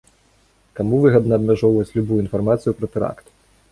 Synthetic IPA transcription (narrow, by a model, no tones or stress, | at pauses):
kamuvɨɣɐd̪nɐːbmʲaʐɔwvɐt͡sʲlʲubujuinfarmat̪sɨjupɾɐt̪ɛɾa̰kt̪